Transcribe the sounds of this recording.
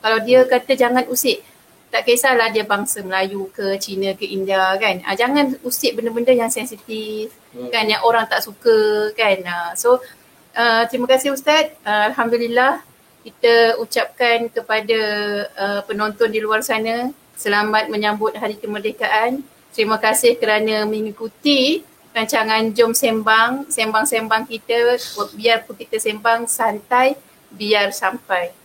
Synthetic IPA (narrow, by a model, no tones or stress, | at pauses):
kalawdiəkat̪əd͡ʒaŋãnusɪʔ | t̪aʔkesalahdiəbaŋsaməlajukət͡ʃinə̃kəʔindiakanə̰d͡ʒaŋanusɪʔbəndəbəndəjaŋsɛnsit̪if | kanjaŋʔoɾaŋt̪aʔsukəkanəso | ʔət̪əɾimakasɪhus̬t̪at̪̚əalɦamdulilah | kit̪əut͡ʃap̚kankəpadaəpənont̪ɔndiluarsanã | səlamat̪̚məɲãmbʊt̪̚ɦaɾikəmərdekaʔan | t̪əɾimakasɪhkəɾanãmə̃ŋikut̪i | ɾaɲt͡ʃaŋãnd͡ʒʊmsembaŋsembaŋsembaŋkit̪aw̚biarpʊnkit̪asembaŋsant̪aj | biarsampaj